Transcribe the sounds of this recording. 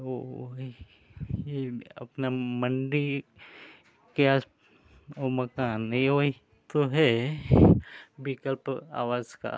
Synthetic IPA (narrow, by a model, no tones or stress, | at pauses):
oi | eɐ̰pnaməɳɖi | keas | omɐkaːnoɦi | t̪oɦɛ | bɪkəlpa̰ːʋaːzka̰